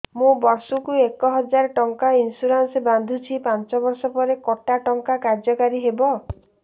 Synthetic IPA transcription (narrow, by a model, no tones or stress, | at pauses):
mũbɔɾsukuekɔɦɔd͡ʒaɾʈɔŋkainsuɾanseband̪ʱut͡ʃʰipant͡ʃɔbɔɾsɔpɔɾekɔʈaʈɔŋkakaɾd͡ʒɔkaɾiɦebɔ